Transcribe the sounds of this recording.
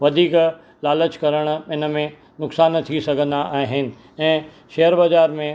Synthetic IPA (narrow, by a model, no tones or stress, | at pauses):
ʋɐd̪ʱiːk | laːlət͡ɕkɐɾəɽ̃̆ɪnə̆mẽ | nʊksaːnt̪ʰisɐɡʱə̃nd̪aʔaːɦɪnɪ̆ | ɛ̃ː | ʃeɦəɾbɐzaːɾmẽ